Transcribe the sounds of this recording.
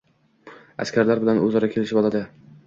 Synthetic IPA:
a̰skʲʰaɾlaɾbɪlanɵzɒɾakʲʰe̞lɪʃɪbɒlˠad̪ɪ

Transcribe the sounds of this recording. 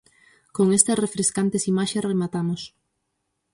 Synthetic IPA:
koŋest̪ɐsrefɾeskant̪ɪsimaʃesremat̪amʊs

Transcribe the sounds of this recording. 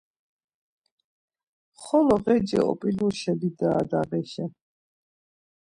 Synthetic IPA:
χɔlɔʁɛd͡ʒɛ̰ɔ̰pʼiluɾʃɛbid̪aːd̪aʁɛʃɛ

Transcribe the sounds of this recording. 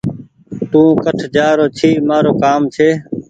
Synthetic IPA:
t̪ũːkəʈʰd͡ʒaːɾoːt͡ʃʰiːmaːɾoːkaːmt͡ʃʰeː

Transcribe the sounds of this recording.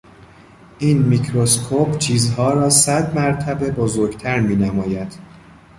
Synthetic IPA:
ʔiːnmicʰɾoskʰoːpt͡ʃʰiːzɦɒːɾɒːsæd̪mæɾt̪ʰæbe̞bozoːɾɡt̪ʰæɾmiːnæmɒːjæd̪̥

